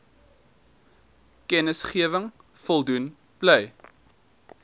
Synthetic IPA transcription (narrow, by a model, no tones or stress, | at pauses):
kɛnəsχiəvəŋ | fɔlˠdun | b̥lɛj